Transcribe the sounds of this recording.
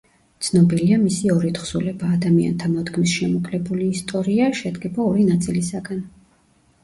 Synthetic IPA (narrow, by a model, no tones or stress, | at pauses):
t̪sʰnɔbiliamisiɔɾit̪χsulɛbaːd̪amia̰nt̪ʰamɔd̪ɡmisʃɛmɔkʼlɛbuliːst̪ʼɔɾiaʃɛd̪ɡɛbaɔɾinat̪sʼilisaɡan